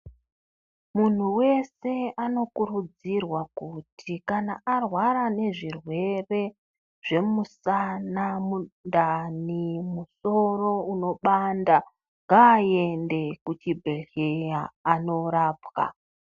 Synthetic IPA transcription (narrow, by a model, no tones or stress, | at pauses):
mun̤uwe̞se̞ano̞kurud͡zirwakutʰikana̰arwaɾane̞ʐirwe̞re̞ | ʐ̥e̞musanamundanimuso̞ro̞uno̞ɓanda | ŋɡaːe̞nde̞kut͡ʃibʱeɬejaːno̞ɾaːpɣa̰